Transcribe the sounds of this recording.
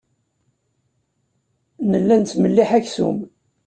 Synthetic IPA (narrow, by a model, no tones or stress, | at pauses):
nəlːænt̪məlːiħæçsṵm